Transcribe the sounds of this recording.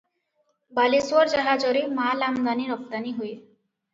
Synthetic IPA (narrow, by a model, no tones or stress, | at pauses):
baliswɔɾd͡ʒaɦad͡ʒɔɾemalamd̪aniɾɔb̚d̪aniɦuje